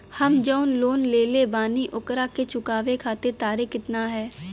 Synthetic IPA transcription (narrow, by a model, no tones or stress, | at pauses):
hɐmd͡ʒɔʊnloːnleːlebaːniʔʊkɾaket͡ʃʊkaːʋekʰaːt̪eɾt̪aːɾekɪt̪naɦɛː